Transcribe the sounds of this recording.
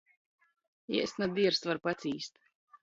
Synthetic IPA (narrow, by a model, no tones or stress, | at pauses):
ɛ̰ɛsnad̪iɛɾsvaɾpat̪siːst̪